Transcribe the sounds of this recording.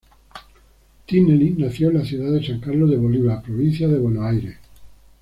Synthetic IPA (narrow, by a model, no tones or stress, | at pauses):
t̪inelinaθjoenlaθjuðaðesaŋkaɾlozðe̞βo̞liβapɾoβinθjaðe̞βwe̞noajɾe